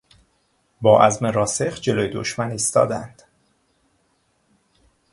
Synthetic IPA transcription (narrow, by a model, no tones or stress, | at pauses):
bɒːʔæzmeɾɒːsexd͡ʒe̞loːjed̪o̰ʃmæniːst̪ɒ̰ːd̪æ̰nd̪̥